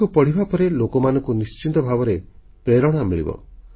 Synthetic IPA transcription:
upɔɽ̤ibapɔɾelokɔmanɔ̃ŋkunist͡ʃint̪ɔbʱabɔɾe | pɾeɾɔɽ̃ɔamiɭḭbɔ̰

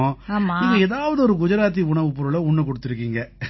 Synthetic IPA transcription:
õaːmaiŋɡɐeːðaːʋɐðɯɔɾɯkʊd͡ʒɐɾaːt̪̬ːiʊɳɐʋɯpʊɾɯlɐʊɳːɐkɔɽɯt̪ːɪɾɯkːiːŋɡɐ

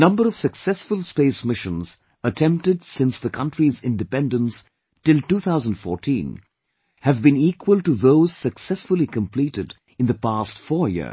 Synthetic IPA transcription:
ənʌ̃mbəɾʌv̥səksɛsfʊlˠspeɪsmɪʃə̃nz̥ | ətʰɛ̃mp̚tɨdsɪ̃nsðəkʰʌ̃ntɹizɪ̃ndɨpɛ̃ndə̃ns | tɪlˠtuːθʰaʊzə̃n̩dfɔ̰ɹtʰḭ̃n | hɨvbɨ̃niːkʰwəlˠʈuðoʊz̥səksɛsfʊlikə̃mpʰliɾɪd | ɨ̃nðəpastfɔɹjɪ̰

